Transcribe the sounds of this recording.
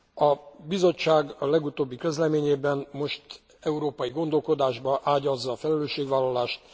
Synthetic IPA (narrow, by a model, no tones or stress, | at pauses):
ɒbizo̞t͡ʃːaːɡɒlɛɡut̪oːbːikø̞zlɛmeːɲeːbɛnmo̞ʃt̪ | ɛuɾoːpɒjiɡo̞nd̪o̞lko̞d̪aːʒbɒʔaːɟɒzːɒːfɛlɛløːʃːeːɡʋaːlːɒlaːʃt̪